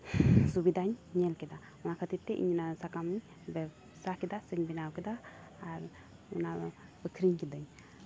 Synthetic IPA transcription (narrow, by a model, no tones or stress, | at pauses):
subid̪ʱaɲɲɛlkɛd̪a | ɔnakʰət̪it̪ːɛʔḭɲnasakamiɲ | bɛ | sakɛd̪asəɲbinawkɛd̪aː | ɾ | ṵnabəkʰɾiɲkid̪aɲ